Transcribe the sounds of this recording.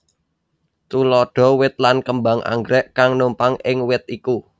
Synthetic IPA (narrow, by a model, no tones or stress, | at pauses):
t̪ulɔɖ̥ɔ̤wɪt̪̚lankəmbaŋʔa̰ŋɡɾɛʔkaŋnumpaŋʔɪŋwɪt̪̚iku